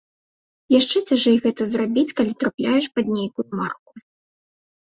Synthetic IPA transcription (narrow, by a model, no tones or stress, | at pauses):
jaʂt͡ʂɛt͡sʲaʐɛjɣɛt̪ɐzrabʲit͡sʲkalʲit̪ɾaplʲajɛʂpad̪̚ʲnʲejkujumarku